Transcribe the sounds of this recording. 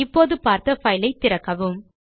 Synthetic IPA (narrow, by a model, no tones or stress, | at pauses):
ɪpːoːðɯpaːɾt̪ɐfɐɪlɐɪt̪ːɪɾɐkːɐʋɯm